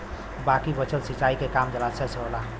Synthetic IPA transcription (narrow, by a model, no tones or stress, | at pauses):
bakibət͡ʃəlsit͡ʃaikekamd͡ʒəlasət͡ʃɦola